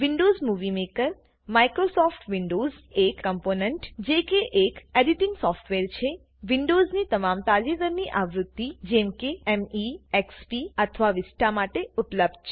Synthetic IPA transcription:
ʋiɳɖozmuʋimekəɾ | maikɾosɔfʈʋiɳɖozekːəmponɛɳʈd͡ʒekeʔekeɖiʈɪŋɡsɔfʈʋeɾt͡ʃʰe | ʋiɳɖoznit̪əmamt̪alid̪əɾniʔaʋɾʊt̪ːid͡ʒɛmkeɛmiɛkspiət̪ʰəʋaʋɪsʈamaʈeʊpləb̚d̪̚t͡ʃʰe

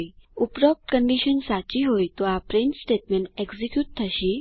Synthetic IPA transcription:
jupɾɔp̚ʈkəɳɖiɕənsat͡ɕiɦojt̪oapɾeɳʈsʈeʈmeɳeɡd͡zikjuːʈ̚t̪ʰəɕi

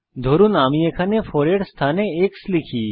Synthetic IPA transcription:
d̪ʱoːɾunaːmijekʰanefɔːɾeɽst̪ʰaneeːkslikʰiː

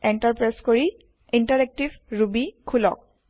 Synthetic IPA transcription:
entaɹpɹeskoɹi | intaɹɛk̚tibɹubikʰulɔ̰k̚

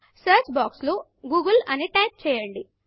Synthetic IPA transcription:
sɐːɾt͡ʃbaːkslo | ɡuːɡɐlɐneʈaːp̚t͡ʃɛːjɐɳɖi

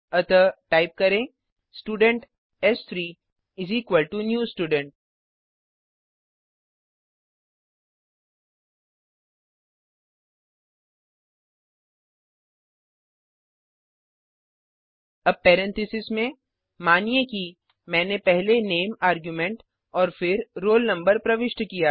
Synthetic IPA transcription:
ɐt̪əʈaːɪp̚kɐɾẽ | sʈuːɖə̃ɳʈ | ɛst̪ʰɾiː | ɪziːkʋəlʈunjuːsʈuːɖə̃ɳʈ̚ | ɐbpɛːɾɛ̃nt̪ʰɪsɪsmẽ | maːnijeki | mɛ̃ːnepɛɦleneːmaːɾɡjumẽɳʈ | ɔːɾfɪɾːoːlnɐ̃mbəɾpɾɐʋɪʃʈkijaː

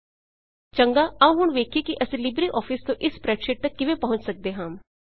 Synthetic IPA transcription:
t͡ʃəŋɡaːəũɦʊɳʋeːkʰeːkɪʔəsĩːlɪbɾiːʔɔːpʰɪst̪õːʔɪspɾɛːkʃeːʈ̚t̪əkːɪʋẽːpəɦʊ̃ɲt͡ʃsək̚d̪eːɦãːm

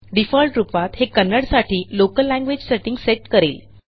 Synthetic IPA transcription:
ɖifɔlʈɾupat̪hekənːəɽsaʈʰiːlokəlːæ̃ŋɡʋed͡ʑseʈiŋɡseʈkəɾeːl

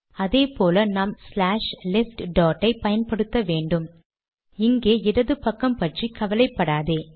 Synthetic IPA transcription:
ɐðeːpoːlɐnaːmslaːʂlɪsʈɖaːʈːɐɪpɐjɐnpɐɽɯt̪ːɐʋeːɳɖɯm | ɪŋɡeːɪɾɐðɯpɐkːɐmpɐʈrikɐʋɐlɐɪpːɐɽaːðeː

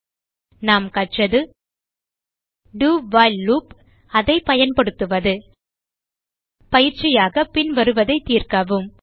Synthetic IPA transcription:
naːmkɐʈt͡ʃɐðɯ | ɖuːʋaːɪlluːp | ɐðɐɪpɐjɐnpɐɽɯt̪ːɯʋɐðɯ | pɐjɪɾt͡ʃɪjaːɣɐpɪnʋɐɾɯʋɐðɐɪt̪ːiːrkaʋɯm

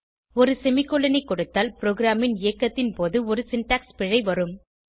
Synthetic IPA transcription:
ɔɾɯsɛmɪkːɔɭːɐnɐɪkːɔɽɯt̪ːaːlpɪɾoːɡɪɾaːmɪneːkːɐt̪ːɪnpoːðɯɔɾɯsɪnʈaːkspɪɻɐɪʋɐɾɯm

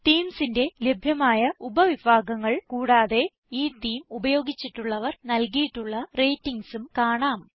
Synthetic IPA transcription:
t̪iːmsinde̞lebʱjɐmaːjɐubɐʋibʱaːɡɐŋːɐɭkuːɽaːðe̞ | iːt̪iːmubɐjo̞ːɡit͡ɕːiʈːuɭːɐʋɐrnɐlkijiʈːuɭːɐre̞jtːiŋɡsumkaːɳaːm

